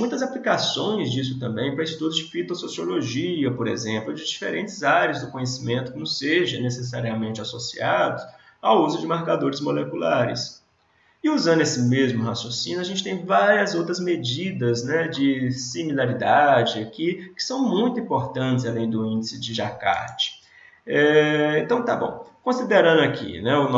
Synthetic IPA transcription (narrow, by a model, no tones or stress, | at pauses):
mũj̃t̪ɐzaplikasõj̃zd͡ʒis̬ʊt̪ɐ̃mbẽj̃pɾɐist͡ʃi̥t̪uɾʊzd͡ʒɪfit̪ososioloʒiɐpoɾḛzẽmplʊd͡ʒɪd͡ʒifḛɾẽnt͡ʃɪzaɾiɐzd̪ʊkõɲesimẽnt̪ʊkõmʊseʒɐ̃neses̬aɾiamẽnt͡ʃɪasosḭad̪ʊ | awuzʊd͡ʒɪmaɾkad̪oɾɪzmolekulaɾɪ̰s | ɪuzɐ̃nd̪ʊesɪmezmʊɦasjosĩnʊɐʒẽnt͡ʃɪ̥t̪ẽj̃vaɾiɐzowt̪ɾɐzmed͡ʒid̪ɐznɛd͡ʒɪsimilaɾid̪ad͡ʒɪkɪkɪ̥sɐ̃w̃mũj̃t̪ʊĩpoɾt̪ɐ̃t͡ʃɪzalẽj̃d̪ʊĩnd͡ʒɪsɪd͡ʒɪʒaka̰ɾt͡ʃɪ̥ | ɛẽt̪ɐ̃w̃t̪abõ̰w̃kõsid̪eɾɐ̃nd̪ʊakḭnɛʊn